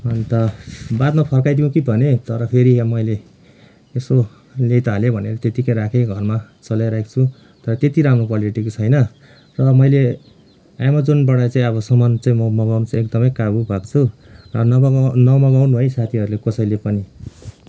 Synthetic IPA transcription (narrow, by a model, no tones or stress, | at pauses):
ʌnt̪ʌbat̪mapʰʌrkajd̪iũkibʱʌnet̪ʌɾʌpʰeɾimʌjleː | so | lejt̪aɦlebʱʌneɾʌt̪et̪ikʌjɾakʰeɡʱʌrmat͡sʌlajɾaekt͡sʰu | t̪ʌɾʌt̪et̪iɾamrokwaliʈikot͡sʰʌjnʌ | rʌmʌjle | ajmʌd͡zonbʌɽat͡saĩʌβʌsʌmʌnt͡saĩmʌmʌɡawnt͡sãek̚d̪ʌmʌjkabubʱakt͡sʰurʌnʌnʌmʌɡawnbʱʌisat̪ʰiʌɾulekʌsʌjlepʌni